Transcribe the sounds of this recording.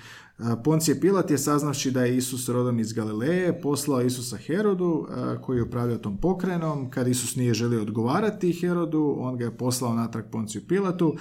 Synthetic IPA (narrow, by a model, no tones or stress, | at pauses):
po̞nt̪sijepilˠat̪je̞saznaʋʃid̪aje̞isusɾo̞d̪o̞mizɡalilejepo̞slˠaoisusaxe̞ɾo̞d̪ṵko̞jijeupɾaːʋʎaot̪o̞ːmpo̞kɾajno̞mkad̪isusnije̞ʒe̞lio̞ːd̪ɡo̞ʋaːɾat̪ixe̞ɾo̞d̪uo̞nɡaje̞po̞slˠaonat̪ɾak̚po̞nsijupilˠat̪u